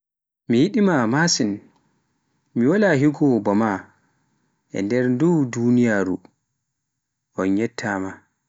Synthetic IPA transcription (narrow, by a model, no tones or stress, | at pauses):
mijiɗimamasin | miwalaɦiɡɔbɔma | ʔɛ̰ndɛɾndudunijaɾṵ | ʔɔnɲɛtʰːama